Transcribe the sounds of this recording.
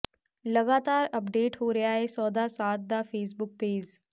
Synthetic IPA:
lɐɡaːt̪aːɾɐpɖeːʈɦoɾɐjaɦɛsɔːd̪asaːt̪̚d̪afeːs̬bʊk̚peːd͡ʒ

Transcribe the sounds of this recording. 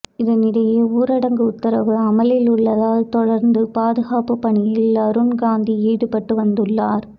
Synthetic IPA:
ɪðɐnɪɽɐjeuːɾɐɽɐŋɡɯʊt̪ːɪɾɐʋɯɐmɐlɪlʊɭːɐðaːlt̪ɔɽɐɾnd̪ɯpaːðɯɣaːpɯpːɐɳɪjɪlɐɾɯɳɡaːnd̪iiːɽɯpɐʈːɯʋɐnd̪ɯɭːaːɾ

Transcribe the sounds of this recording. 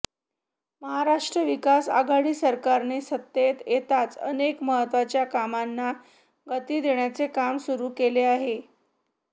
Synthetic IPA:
məɦaɾaʂʈɾəʋikasa̰ɡaɽiːsəɾkaɾnesət̪ːet̪jet̪at͡sə̰nekməɦət̪ʋat͡ɕjakamanːa | ɡət̪iːd̪eɳjat͡sekamsuɾuːkeleaɦe

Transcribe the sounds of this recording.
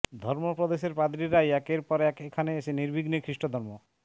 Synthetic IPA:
d̪ʱɔɾmopɾod̪eʃeɾpɾad̪ɾiɾajɛkeɾpɔɾɛkekʰaneeʃeniɾbiɡnikʰɾiʃʈod̪ʱɔɾmo

